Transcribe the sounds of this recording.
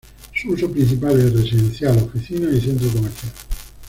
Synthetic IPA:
susopɾint͡ʃipaːleeret͡ʃed̪ent̪sjalofisiːnoisɛnt̪s̬okomeɾt̪jaːle

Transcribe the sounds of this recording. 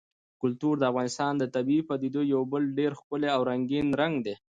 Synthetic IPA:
kʊlt̪uɾd̪əafɣɑnɪst̪ɑnd̪ət̪abiipad̪id̪ojawbəlɖeɾxkəleawɾaŋɡinɾaŋɡd̪e

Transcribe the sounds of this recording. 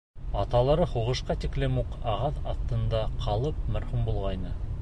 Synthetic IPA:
ɑt̪ɑlˠɑɾɤhuʁɤ̆ʃqɑt̪iklɘmuqɑʁɑθɑ̰θt̪ːɤ̆nd̪ɑqʰɑlˠɤp̚mæɾhumbulˠʁɑjnɤ

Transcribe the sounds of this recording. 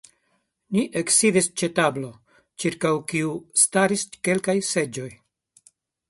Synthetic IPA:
niʔeksivist͡ʃe̞tablo̞ | t͡ʃiɾkawkiustaɾiske̞lkajse̞d͡ʒo̞j

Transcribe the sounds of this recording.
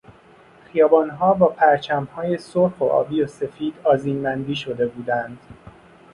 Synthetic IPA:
xijɒːbɒːnɦɒːbɒːpʰæɾt͡ʃʰæmhɒːje̞soɾxo̞̰ʔɒ̰ːbiːose̞fiːd̪̥ɒːziːnːænd̪iːʃo̞d̪e̞buːd̪ænd̪̥

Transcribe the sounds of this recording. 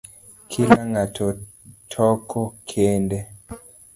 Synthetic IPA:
kʰilaŋatʰɔ | tʰɔkʰɔkʰende

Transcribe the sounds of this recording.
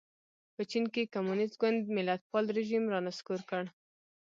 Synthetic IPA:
pət͡ʃinkekamunɪst̪ɡwʊnd̪mɪlat̪̚pɑlɾeʒimɾɑnaskuɾkəɽ

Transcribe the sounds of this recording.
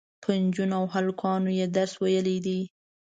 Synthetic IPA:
pʰənd͡ʒunawɦalkʰɑnojed̪aɾswajəlid̪i

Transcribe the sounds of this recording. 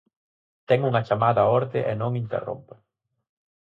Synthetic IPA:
t̪ɛŋuŋɐt͡ʃamaðɐoɾt̪ɪʔenõŋint̪ḛro̰mpe

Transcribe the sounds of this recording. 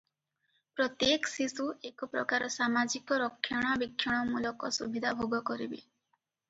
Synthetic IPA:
pɾɔt̪jeksisuekɔpɾɔ̰kaɾɔsamad͡ʒikɔɾɔkʰːjɔɽ̃ɔbikʰːjɔɽ̃ɔmulɔkɔsubʱid̪ʱabʱoɡɔkɔɾḭbḭ

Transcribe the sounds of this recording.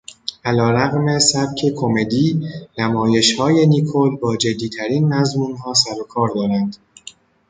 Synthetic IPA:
ʔælɒːɾæɣme̞sæb̚cʰe̞kʰo̞me̞d̪iːnæmɒːje̞ʃhɒːje̞niːkʰolbɒːd͡ʒe̞d̪ːiːt̪ʰæɾiːnmæzmuːnɦɒːsæɾo̞kʰɒːɾd̪ɒːɾænd̪̥

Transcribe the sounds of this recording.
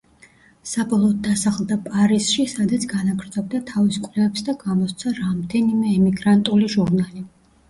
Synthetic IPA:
sabɔlˠɔːd̪̚ːasaχlˠd̪apʼaɾisʃisad̪at̪sʰɡanaɡɾd̪zɔb̚d̪at̪ʰaviskʼvlɛvɛpsd̪aɡamɔst̪sʰaɾamd̪ɛnimɛːmiɡɾant̪ʼuliʒuɾnali

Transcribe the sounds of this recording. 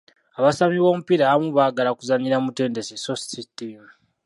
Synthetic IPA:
aβasamiβo̞ːmupiɾaβamuβaɡalakuzaɲiɾamute̞ːnde̞sesosi̥titimu

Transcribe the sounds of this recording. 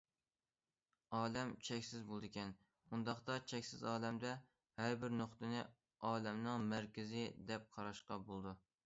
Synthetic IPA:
ɑːlɛmt͡ʃʰɛkʲsɪzbolˠd̪ɨkʲɛn | und̪ɑχt̪ɑt͡ʃʰɛkʲsɪzɑːlɛmd̪ɛ | hæɾbɪɾnoχt̪ɨnɪ | ɑːlɛmnɨŋmæɾkʲɪzɪd̪ɛp̚qʰɑɾɑʃqɑbolˠd̪u

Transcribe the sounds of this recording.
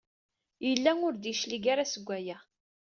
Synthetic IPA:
jəlːæŋʊɾd̪iʃliɡaɾasəɡʷːæjæ

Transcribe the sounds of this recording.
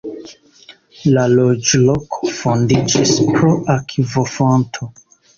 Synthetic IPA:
lalod͡ʒlokʰo̥fondid͡ʒispɾoʔakʰivofontʰo

